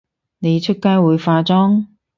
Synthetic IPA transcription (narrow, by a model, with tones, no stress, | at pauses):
ne˨˧jt͡ʃʰɵ˥t̚kaː˥jwuː˨˧jfaː˧t͡sɔː˥ŋ